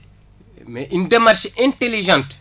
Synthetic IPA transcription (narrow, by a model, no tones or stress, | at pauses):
mɛʔindemarʃɛ̃nteliʒãnt